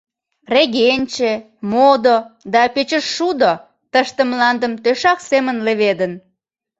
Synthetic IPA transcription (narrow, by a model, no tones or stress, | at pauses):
reɣenʲt͡ɕe | mod̪od̪ɑpet͡ɕəʃːud̪o | t̪əʃt̪emlɑnd̪əmt̪øʃɑksemənleβed̪ən